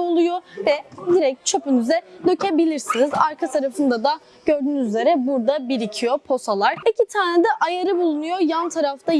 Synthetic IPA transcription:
olˠujovɛd̪iɾɛc̚t͡ʃʰøpynyzɛløcebilʲiɾsinizaɾkʰat̪ʰaɾafɯnd̪ad̪a | ɟ̥ø̞ɾd̪yːnyzyzʲe̞ɾɛbuɾd̪abiɾicʰijopʰo̞salˠaɾicʰit̪ʰaːɾnɛd̪ɛʔajaɾɯbulˠunujojant̪ʰaɾaft̪ʰa

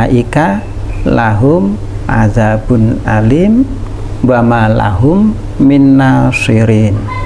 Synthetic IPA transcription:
aʔika | laɦum | ʔa̰zabunalim | bamala̰ɦumː | inːasiɾin

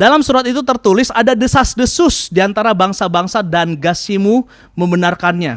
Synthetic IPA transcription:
dalamsuɾat̪it̪ut̪ərt̪ulɪsadadəsasdəsʊsdiant̪aɾabaŋsabaŋsadanɡasimu | məmbənarkanɲa

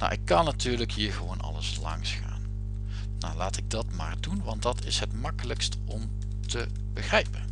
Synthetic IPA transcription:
na̰wʔɪkːɑnːatyːɹləkɦiːɹχəʋownɑ̰ləslɑ̰ŋsχa̰ːnː | a̰wlaːtɪɡ̚dɑtma̰ːɹdunʋɑntdɑtɪsɦətmɑkələkst | ɔm | tə | bəχrɛjpən

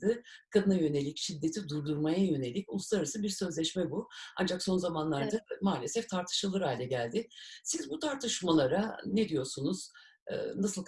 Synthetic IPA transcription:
d̪ɯkʰad̪ɯnajø̞ne̞lʲicʃid̪ːe̞t̪ʰid̪uɾd̪uɾmajajø̞ne̞lʲicʲṵlˠuslˠaɾaɾasɯbiɾsø̞zlʲɛʃmɛbua̰nd͡ʒakso̞nzamanlˠaɾd̪amaːlʲesɛft̪ʰaɾt̪ʰɯ̥ʃɯlˠɯɾaːlʲɛɟælʲd̪ɪsizbut̪ʰaɾt̪ʰɯʃmalˠaɾaned̪ijo̞ɾsunuz̥ | ɯ̰nasɯlˠ

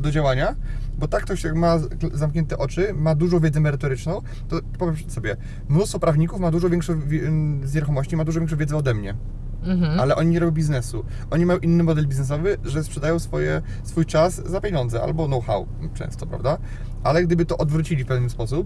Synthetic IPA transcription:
d̪ɔd͡ʑawaɲabɔt̪ak̚t̪ɔɕjakmazamkɲɛnt̪ɛʔɔt͡ʂɘmad̪uʐɔ̃wvʲjɛd̪zɛmɛɾɘt̪ɔɾɘt͡ʂnɔ̃w̃ | t̪ɔpɔvʲɛmssɔbʲjɛ | mnust̪fɔpɾavɲikufmad̪uʐɔvʲjɛŋkʂɛvʲzɲʲɛɾuxɔmɔɕt͡ɕimad̪uʐɔvʲɛ̃kʂ̬ɛ̃vʲjɛd̪zɛɔd̪ɛmɲɛ | alɛʔɔɲiɲɛɾɔbʲjɔ̃bʲiznɛsu | ʔɔɲimajɔ̃w̃ʔinːɘmɔd̪ɛlbʲiznɛs̬ɔvɘʐɛspʂɛd̪ajɔ̃w̃sfɔjɛ̰ | sfujt͡ʂaszapʲjeɲɔnd̪zɛʔa̰lbɔnɔwxa̰w | t͡ʂɛ̰̃w̃st̪ɔpɾa̰vd̪a | ʔalɛɡd̪ɘbɘt̪ɔʔɔd̪vɾut͡ɕilʲifpɛvnɘspɔsup̚

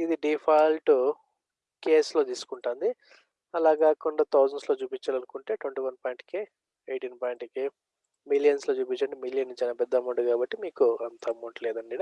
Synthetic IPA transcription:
id̪iɖipʰaːjlʈu | keːslo̞ːt̪iːsu̥kuɳʈaːnd̪i | ɐlaːɡaːkɔnd̪ɐt̪ʰɐwd͡ʒɐɳslo̞ːt͡ʃuːpit͡ʃːaːlɐnukuɳʈe̞ːʈwɐɳʈiːʋɐnpaːjɳʈke | eːʈiːnpaːjɳʈke | milijɐnsloːt͡ʃuːpit͡ʃːɐɳɖimiljɐnːit͡ʃɐnɐpɛd̪ːɐmɐɳɖukaːbɐʈːimiːkuɐnt̪ɐmːuɳʈɐlɛːd̪ɐɳɖiɽ

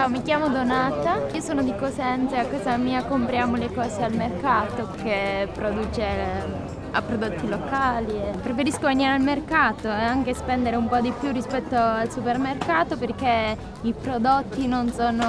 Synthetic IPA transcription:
amikjaːmod̪onaːt̪aiːosoːnod̪ikosɛnt̪seakːɔːzamiːakompɾjaːmolekɔːzealmerkaːt̪ok̟ːepːɾod̪uːt͡ʃe | a̰pːɾod̪ot̪ːilokaːliepːɾefeɾiskoanaɾealmerkaːt̪oeaŋkespɛnd̪eɾeumpɔd̪ipːjurːispɛt̪ːoalsupermerkaːt̪operk̟ːe | ipɾod̪ot̪ːinonsoːno

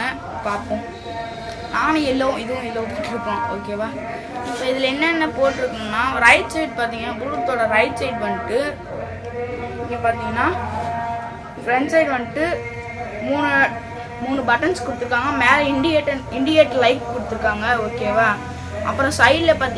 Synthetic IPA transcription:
ɐ | paːpõ | naːnɯɪlːɐʋʊ̃ɪðɯʋʊ̃ɪlːɐʋɐ̃p̪ɐʈːɪɾɯkːõoːkeːʋaː | pːoːɪðɪlɐɛnːɐɛnːɐpoːʈːɪɾɯkːɯnnːaːɾɐɪʈseɪʈ̚paːɾt̪iːŋɡɐnaːbʊɾɯt̪ːoːɽɐɾɐɪʈseɪʈʋɐɳːɯʈːɯ | ɪŋɡɐpaːɾt̪iːŋɡɐnːaː | fɾɛɳɖsɐɪɖʋɐɳːɪʈːɯ | muːn | muːnɯbɐʈːɐnskʊɽɯt̪ːɯɾɯkːaːŋɡɐmeːlɐɪɳɖɪjeːʈːɪɳɖɪeːʈːlɐɪkkʊɽɯt̪ːɯɾɯkːaːŋɡɐoːkeːʋaː | ʔɐ̰pːɯɾɔ̃sɐɪɽlɛpaːɾt̪i

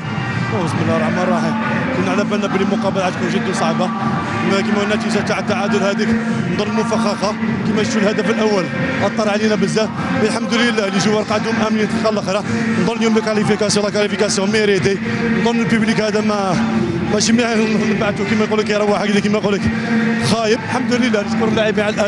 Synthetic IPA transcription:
æəsməlːæɾˤɑʕmɑɾˤːɑħi | kunʕlæfænːæblilmʊqɑbəlʕæt̪kunʒəd̪ːnsˤɑʕba | əmækimænːæt̪iʒat̪aʕət̪ːaʕad̪ʊlhæd̪iknd̪ˤonːəlmʊfæxɑqɑkəmæt̪ːulhæd̪æfəlʔæwːəlʔɑt̪ˤːɑɾˤʕalinæbəzːæ | bəlħamd̪ləlːæliʒuwːɑɾˤqɑʕad̪ʊmʔæmnit̪əqɑlːəxɾænd̪ˤonːljumləkʕalifikæsjwlˤɑkɑlifikæsjmiɾid̪ind̪ˤonːəlpublikhæd̪æmæmæʃimninnːbaʕt̪ːukəmæjqulːəkhiɾˤɑwːaħaɡd̪ikəmæjqulːək | xæjəbəlħamd̪uləlːænətkʊɾəlːaʕibiʕaləlʔæ

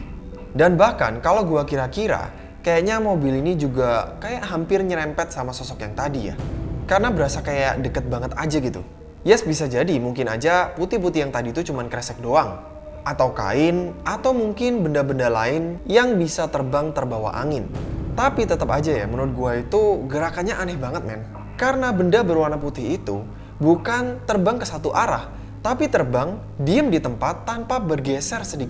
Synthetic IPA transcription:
danbahka̰nkalawɡuakiɾakiɾa̰ | kajaʔɲamobilinid͡ʒuɡakajaʔɦampɪrɲəɾɛmpɛt̪̚samasɔsɔkjaŋt̪adija̰karənabəɾasakajaʔdəkət̪̚baŋət̪ad͡ʒaɡit̪ṵ | jɛsbisad͡ʒadimuŋkɪnad͡ʒaput̪ip̬ut̪ijaŋt̪adit̪ut͡ʃumankɾɛsɛk̚doaŋ | ʔat̪awka̰ɪnat̪awmuŋkɪnbəndabəndalaɪnjaŋbisat̪ərbaŋt̪ərbawa̰ʔa̰ŋɪnt̪apit̪ət̪əpad͡ʒaja̰mənuʊt̪̚ɡuait̪uɡəɾakanɲaʔanɛhbaŋət̪̚mɛn | kaɾənabəndabəɾwanaput̪ɪhit̪u | bukant̪ərbaŋkəsat̪uʔaɾa̰h | t̪apit̪ərbaŋ | diəmdit̪əmpat̪ːanpabərɡɛsɛrsədikɪ

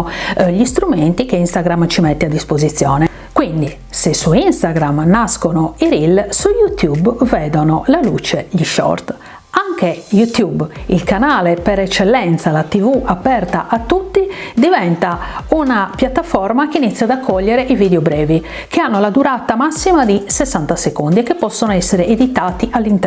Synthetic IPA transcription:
ʎist̪ɾument̪ikeinst̪aɡɾamt͡ʃimɛt̪ːɛad̪ːispozit̪sːjɔːnɛ | kwind̪i | sesuinst̪aɡɾamnaskonoiɾilsujut̪jubvɛːd̪onolalut͡ʃeʎiʃɔ̰rt̪ | aŋkejut̪jubilkanaːlepeɾɛt͡ʃːɛlːɛnt̪salat̪ivuʔapːɛrt̪aʔat̪ːut̪ːid̪ivɛnt̪aunapjat̪ːafɔɾmak̟einit̪sːjad̪akʰːɔʎːɛɾeʔivid̪eobɾɛːvi | keanːolad̪uɾat̪amasːimad̪isɛsːant̪asekond̪iɛkepːɔsːonoɛsːeɾeed̪it̪aːt̪iʔalːint̪

